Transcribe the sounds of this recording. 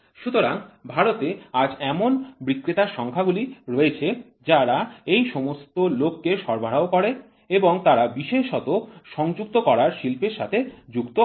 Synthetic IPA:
ʃut̪oɾaŋbʱaɾot̪ead͡ʑɛmonbɾikːɾit̪aʃɔŋkʰaɡuliɾoet͡ɕʰe | d͡ʑaɾaejʃɔmost̪olokːeʃɔɾbʱaɾɽaokɔɾe | eboŋt̪aɾabiʃeʃɔt̪oʃɔŋd͡ʑuk̚t̪okɔɾaɾʃilpeɾʃa̰t̪ʰed͡ʑukt̪o

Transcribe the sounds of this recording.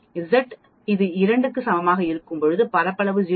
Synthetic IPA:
ɪzɐʈ | ɪðɯɪɾɐɳɖɯkːɯsɐmɐmaːɣɐɪɾɯkːɯmpɔɻɯðɯpɐɾɐpːɐɭɐʋɯd͡ʒɪ

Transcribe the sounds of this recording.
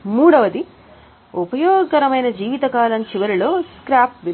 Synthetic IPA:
muːɽɐʋɐd̪i | upɐjɔːɡɐɾɐmɐjnɐd͡ʒiːʋit̪ɐkaːlɐnt͡ʃiʋɐɾilo̞ːskɾaːp̚ʋi

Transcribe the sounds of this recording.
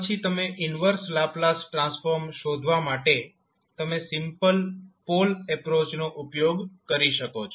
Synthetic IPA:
ət͡ʃʰit̪əmeʔɪnʋəɾslaplasʈɾãsfoɾmʃod̪ʱʋamaʈe | t̪əmesɪmpəlpolɛpɾot͡ʃnoʔupjoɡkəɾiʃəkot͡ʃʰ

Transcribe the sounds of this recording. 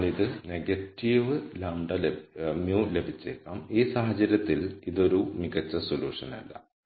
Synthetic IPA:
ɭiðɨneɡɐtːiʋɨlɐɳɖɐlemjuːle̞bʱit͡ɕːekːaːmiːsɐːɦɐt͡ɕːɐɾjɐt̪ːiliðo̞ɾumiɣɐt͡ɕːɐsolṵːʂɐnɐ̰lːɐ̰

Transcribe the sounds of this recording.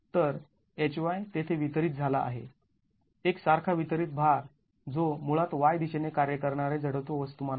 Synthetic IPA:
t̪əɾ | et͡ɕʋajt̪et̪ʰeʋit̪ɾiːt̪̚d͡zʱalaʔa̰ɦḛ | eksaɾkʰaʋit̪ɾiːt̪̚bʱaɾ | d͡zomuɭat̪ʋajd̪iɕenekaɾjəkəɾɳaɾed͡zʱəɽət̪oʋəst̪uman

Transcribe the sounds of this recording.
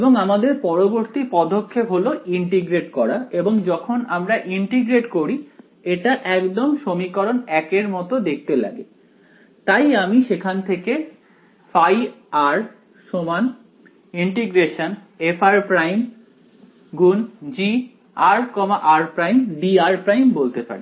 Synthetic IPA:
eboŋamad̪eɾpɔɾoboɾt̪ipɔd̪ʱokʰːepɦoloiɳʈiɡɾeʈkɔɾaeboŋd͡ʑɔkʰonamɾaʔiɳʈiɡɾeʈkoɾi | eʈaʔɛkd̪omʃomikɔɾonɛkeɾmɔt̪od̪ek̚ʰt̪ela̰ɡe | t̪ajamiʃekʰant̪ʰeke | fajaɾ | ʃoman | iɳʈiɡɾeʃon | efʰaɾpɾajm | ɡund͡ʑi | aɾkɔmaʔaɾpɾajmɖiaɾpɾajmbolt̪epa̰ɾi

